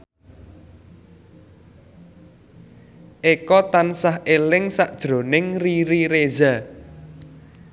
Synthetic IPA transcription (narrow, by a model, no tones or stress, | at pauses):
ʔekɔt̪ansaɦʔelɪŋsaʔd̥ʒ̥ɾonɪŋriɾiɾeza